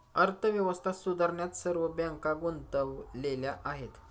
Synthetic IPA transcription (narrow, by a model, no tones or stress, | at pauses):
əɾt̪ʰəʋjəʋəst̪ʰasud̪əɾɳjat̪səɾʋəbjãŋkaɡunt̪əʋleljaʔaɦet̪